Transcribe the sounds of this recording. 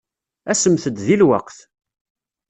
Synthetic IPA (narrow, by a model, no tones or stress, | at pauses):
æsəmθəd̪ðilwɑ̰qθ